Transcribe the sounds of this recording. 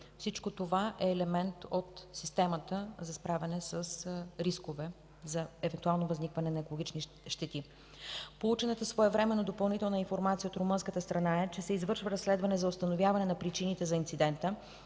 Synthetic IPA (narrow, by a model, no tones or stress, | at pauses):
fsit͡ʃkot̪ovaʔɛːlɛmɛnt̪ot̪sist̪ɛmət̪əzɐspɾavʲɐnɛsəsɾiskovɛ | zɐɛvɛnt̪ualˠnovəznikvɐnɛnɐɛkolˠoɡit͡ʃni | ʃt̪ɛt̪i | polˠut͡ʃɛnɛt̪əsvoɛvɾɛmɛnːod̪opɐlˠnit̪ɛlˠnəĩnfoɾmat̪sijəot̪ɾomɤnskət̪əst̪ɾɐnaɛt͡ʃɛsɛizvɤɾʃvəɾɐsːlɛd̪vɐnɛzɐost̪ɐnovʲjavɐnɛnɐpɾit͡ʃinit̪ɛzɐint̪sid̪ɛnt̪ə